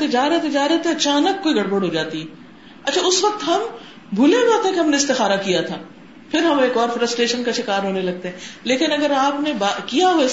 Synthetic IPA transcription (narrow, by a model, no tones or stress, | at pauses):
t̪ed͡ʒaːɾɛɦet̪ʰed͡ʒaːɾɛɦet̪eɐt͡ʃaːnəkːoːiɡʱɐɽbəɽɦoːd͡ʒaːt̪iɦɛː | ɐtːʃʰaʊsʋɐk̚t̪ɦɐm | bʱʊlebaːt̪ẽkeɦɐmneɪst̪ɪxaːɾakijat̪ʰaː | pʰɪɾɦɐmeːkɔːɾfɾəsʈɾeːʃənkaʃɪkaːɾɦoːnelɐɡ̚t̪eɦɛ̃ːleːkɪnɐɡəɾaːpnebakijaɦoe